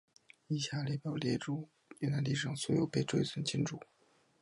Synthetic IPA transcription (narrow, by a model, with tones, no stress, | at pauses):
i˥˩ɕʰja˧˥ljɛ˧˥˩pjɑ˨˩ʊljɛ˧˥˩ʈ͡ʂu˥˩ | y˥˩na˧˥nli˥˩ʂɑ˨˩ŋswɔ˧˥jo˨˩ʊpe˥˧ɪʈ͡ʂwe˥ɪswə˥˩nt͡ɕʰi˥nʈ͡ʂu˨˩˦